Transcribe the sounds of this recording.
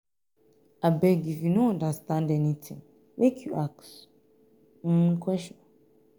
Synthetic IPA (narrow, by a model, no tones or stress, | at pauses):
abɛɡivinoãndastãndɛnĩtʰɪ̰̃ŋ | mekʰjuʔaks | ñ̩kʰɛsʃɔ̃n